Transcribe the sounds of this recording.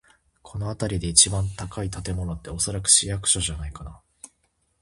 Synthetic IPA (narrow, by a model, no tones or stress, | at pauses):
kʰo̞no̞at̪aɾʲid̪e̞it͡ɕibãnt̪akait̪at̪e̞mo̞no̞t̪ːe̞o̞so̞ɾakɯ̟̥ɕijakɯ̟̥ɕoʑanaikana